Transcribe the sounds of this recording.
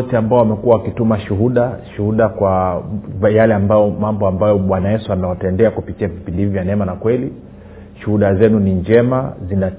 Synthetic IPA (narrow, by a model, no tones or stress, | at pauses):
tɛambaɔwamɛkuwawakitumaʃuɦuɗaʃuhuɗakwa | jalɛambajɔmambɔambajɔɓwanajɛsuanawatɛndɛakupitiavipindivivjanɛmanakwɛli | ʃuhuɗazɛnuniɲd͡ʒɛmazina